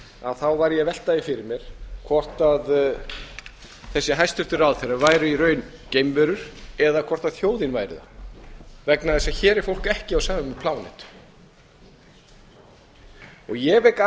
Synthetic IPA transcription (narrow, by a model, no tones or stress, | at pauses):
a̰ðθawvaɾjɛvɛl̥t̪ajɪfɪɾɪɾmjɛɾ̥kʰvɔr̥t̪að | θɛsːɪɦajst̪ʏht̪ʏɾawðθejɾaðvaːjɾʏiɾœːɥn | cejmvœɾʏɾ̥ɛðakʰvɔr̥t̪aðθjoːwðɪnvaːjɾɪ̰ða̰ | vɛknaðɛsaçɛːɾɛɾ̥fowl̥kɛhcɪawsaːvɪmɛpʰlaːwnɛ̰t̪ | ɔɣjɛvejka